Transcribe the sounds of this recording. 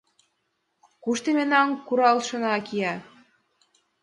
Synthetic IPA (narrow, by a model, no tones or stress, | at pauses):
kuʃt̪emenɑŋkuɾɑlʃɤ̆nɑkijɑ